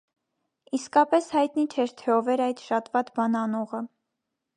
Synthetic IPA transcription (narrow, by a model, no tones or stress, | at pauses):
iskɑpɛshɑjt̪nit͡ʃʰɛɾt̪ʰɛɔvɛɾɑjt̪ʃɑt̪vɑt̪bɑnɑnɔʁə